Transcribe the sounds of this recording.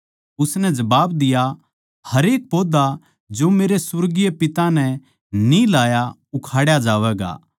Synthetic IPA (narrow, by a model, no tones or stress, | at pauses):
ʊsnɛd͡ʒɐbaːbd̪ɪja | hɐɾeːk̚poːd̪a | d͡ʒomeːɾesʊɾɡijepɪt̪ãnɛ̃ | nilaːja | ʊkʰaːɽjad͡ʒaːʋɛɡa̰ː